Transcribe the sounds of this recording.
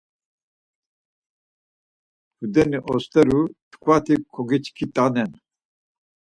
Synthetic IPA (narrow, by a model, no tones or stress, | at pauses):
hud̪ɛniʔɔst̪ɛɾut̪ʰkʰwat̪ʰikʰoɡit͡ʃkʰit̪ʼanɛn